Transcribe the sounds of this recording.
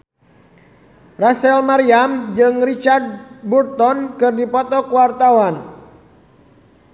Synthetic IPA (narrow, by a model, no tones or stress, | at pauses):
rasɛlmaɾiamd͡ʒɨŋrit͡ʃard̚burt̪ɔnkɨrdipɔt̪ɔkuwart̪awan